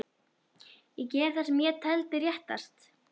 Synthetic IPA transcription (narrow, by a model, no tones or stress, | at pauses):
jɛcɛːɾθɛsmjɛt̪ʰɛlt̪ɪɾjɛht̪a̰st̪